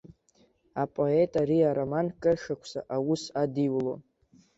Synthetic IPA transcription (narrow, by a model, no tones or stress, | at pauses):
apʼo̞etʼaɾiaɾomankʼɨrʂakʷʰsa̰ʔawusadiwlo̰